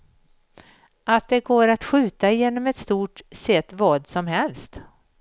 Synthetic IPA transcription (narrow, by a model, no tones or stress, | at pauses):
at̪̚d̪ɛɡoːɾat̪ɧʉ̟ːt̪aɪjeːnɔmɛt̪st̪uːʈsɛt̪ːvɑːd̪sɔmɦɛlst̪